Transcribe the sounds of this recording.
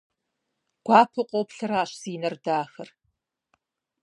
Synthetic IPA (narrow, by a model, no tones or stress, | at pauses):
ɡ̥ʷaːpʰɨqʷʼowpɬɐɾaːɕsiːnɐrdaːxɐr